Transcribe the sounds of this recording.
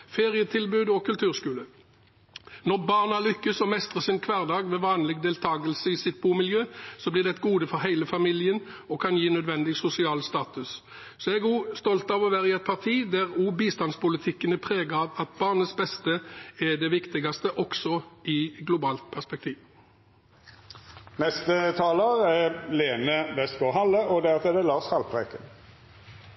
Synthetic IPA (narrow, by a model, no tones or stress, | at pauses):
feːʁɪət̪ʰɪlbʉːd̪ɔkʰʉlt̪ʰʉːʁskʉːlə | nɔʁbɑːʁnɑlʏkːəsɔmɛst̪ʁəsɪnkʰʋæːʁd̪ɑːɡʋɛʋɑːnlɪɡd̪eːlt̪ʰɑːɡəlsəɪsɪt̪̚buːmɪljøːsɔblɪʁd̪ɛt̪ɡuːd̪əfɔɾɦæɪləfɑmɪljən | ɔkʰɑnjiːnœd̪ʋɛnd̪ɪsʊsɪɑːlst̪ɑːt̪ʉs | sɔɛɡuːst̪ɔlt̪ɑʋɔʋæːɾəɛt̪̚pʰɑʁt̪ʰiːd̪æʁuːbiːst̪ɑnspʊlɪt̪ʰɪkːənəpʰʁeːɡəɑʋɑt̪̚bɑːʁnət̪sbɛst̪əæɖ̪ɛʋɪkt̪ɪɡɑst̪əʔɔksɔɪɡlʊbɑːlt̪̚pʰæʁspɛk̚t̪ʰiːʋ | nɛst̪ət̪ʰɑːləʁɛleːnəʋɛst̪koɦɑlːəʔɔd̪æt̪ɛd̪ɛlɑːshɑlpʰʁekən